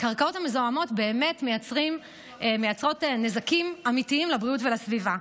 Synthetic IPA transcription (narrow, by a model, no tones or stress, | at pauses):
kaʁkao̞thamezoamo̞tbe̞ːme̞tme̞jat͡sʁim | me̞jat͡sʁo̞tenezakimamitiimlabʁijutvelasviva